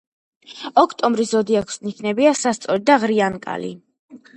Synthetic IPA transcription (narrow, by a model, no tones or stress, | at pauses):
ɔkʰt̪ʼɔmbɾiszɔd̪iakʰsnikʰnɛbiasast̪sʼɔɾid̪aʁɾiankʼa̰lḭ